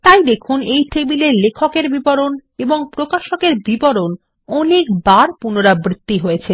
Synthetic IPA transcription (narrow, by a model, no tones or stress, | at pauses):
t̪ajd̪ekʰunejʈʰebileɾlekʰokeɾbibɔɾoneboŋpɾokaʃokeɾbibɔɾon | ɔnekbaɾpunoɾabɾit̪ːiɦojet͡ɕʰe